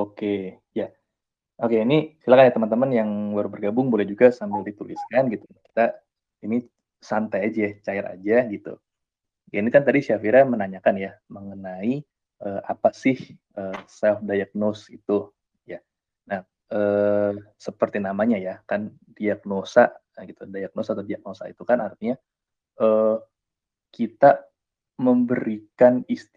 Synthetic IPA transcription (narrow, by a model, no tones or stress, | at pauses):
oke | ja | okeinisilakanjat̪əmant̪əmanjaŋwaɾubərɡabʊŋbolɛhd͡ʒuɡasambɪldit̪ulḭskanɡit̪unaki̥t̪a | ini | sant̪ajad͡ʒaat͡ʃaɛɾa̰d͡ʒaɡit̪ṵ | jainikant̪adiʃafiɾamənaɲakanjaməŋənai | ʔəːapasɪh | əːsɛlfdajak̚nosit̪u | ja | nah | əːsəpərt̪inamaɲajakan | diak̚nosa̰ʔ | ɡit̪udajak̚nosat̪adiak̚nosa̰ḭt̪ukanart̪iɲa | ə | kit̪a | məmbəɾikanist̪